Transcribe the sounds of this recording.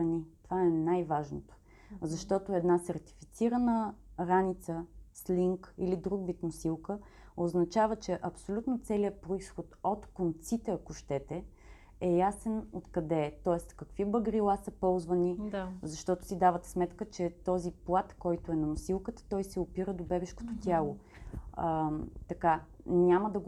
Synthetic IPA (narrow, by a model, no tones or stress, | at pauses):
ɐnit̪ovaɛnajvaʒnot̪o̥ | zɐʃt̪ɔt̪oɛd̪nasɛɾt̪i̥fit̪siɾənəɾanit̪səsliŋkilid̪ɾuɡvit̪mʊsilˠkə | oznɐt͡ʃavət͡ʃɛʔɐpsolʲut̪not̪sɛliəpɾoisxot̪ot̪kont̪sit̪ɛɐkoʃt̪ɛt̪ɛ | ɛjasɛnot̪kɐd̪ɛt̪ɔɛst̪kɐkvibəɡɾilˠasəpɔlˠzvənizɐʃt̪ɔt̪ʊ̥sid̪avət̪ɛ̥smɛt̪kət͡ʃɛt̪ɔziplˠat̪kɔjt̪ʊɛnɐmʊsilˠkət̪ə̥t̪ɔjsɛopiɾəd̪obɛbɛʃko̥t̪ot̪ʲjalˠo | t̪ɐkanʲaməd̪ɐɡ